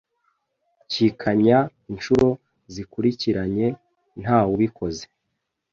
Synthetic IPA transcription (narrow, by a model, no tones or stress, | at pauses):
cikʰaɲa | inʃuɾo̞ | zikuɾiciɾaɲe̞ | n̥haːwuβikʰo̞ze̥